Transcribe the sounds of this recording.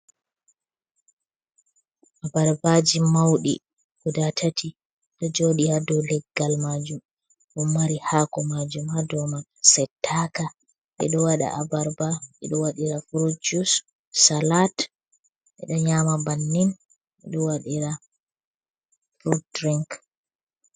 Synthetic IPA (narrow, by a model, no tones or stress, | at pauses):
ʔabaɾbad͡ʒimawɗḭ | kudatʰatʰi | ɗɔd͡ʒoːɗihadɔlɛɡːalmad͡ʒum | ʔummːaɾihakɔmad͡ʒumhadɔmasɛtʰːaka | ʔɛ̰ɗɔwaɗa̰ʔabaɾbaʔɛ̰ɗɔwaɗiɾafɾud͡ʒus | salat | ʔɛ̰ɗɔɲamabanːin | ʔɛɗɔwaɗiɾa | fɾudɾiŋk